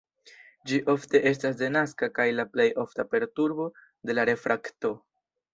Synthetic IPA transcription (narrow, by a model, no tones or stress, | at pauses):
d͡ʒiʔo̞fte̞ʔe̞s̬tas̬de̞naskakajlaple̞jo̞ftape̞ɾtuɾbo̞ | de̞laɾe̞fɾʔakto̞